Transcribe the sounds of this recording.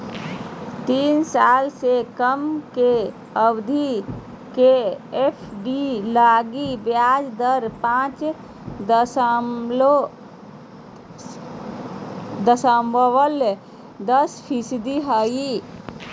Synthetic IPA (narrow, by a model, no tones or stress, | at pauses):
t̪iːnsaːlsekəmke | əbd̪ʱi | keepʰɖilaːɡibjaːd͡ʒd̪əɾpãːt͡ʃ̪ | lo | d̪əsəmbʱəwəl | d̪əspʰisd̪iɦəji